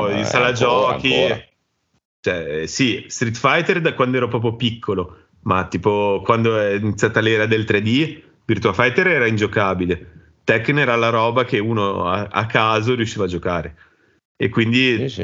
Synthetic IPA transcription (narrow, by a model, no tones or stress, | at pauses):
isalad͡ʒɔːki | t͡ʃɛsist̪ɾit̪ːfajt̪erd̪akwand̪oɛːɾopɾɔːpɾjopikʰːolo | mat̪iːpokwand̪oɛɛinit̪sjat̪alːɛːɾad̪elt̪ɾed̪i | virt̪uafajt̪eɾɛːɾaind͡ʒokaːbile | t̪ɛkːnɛːɾalaɾɔːbakeuːnoa̰a̰kːaːzoɾjuʃːiːvaːd͡ʒokaːɾe | ekwind̪i